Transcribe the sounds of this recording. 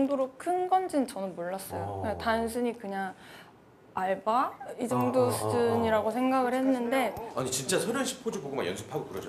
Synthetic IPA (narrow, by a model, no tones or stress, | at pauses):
ŋdoɾokʰɯnɡʌnd͡ʑint͡ɕʌnɯnmoɭːʌs͈ʌjoatans̬ʰuɲikɯɲaŋ | aɭbaid͡ʑʌŋdosʰɯd͡ʑɯɲiɾaɡosʰe̞ŋɡaɡɯɭhe̞nːɯnde̞aɲit͡ɕint͡ɕ͈asʰʌɾjʌɕʰi̥pʰod͡ʑiɡoɡoma̰jʌ̰nsʰɯpʰaɡokɯɾʌd͡ʑʌ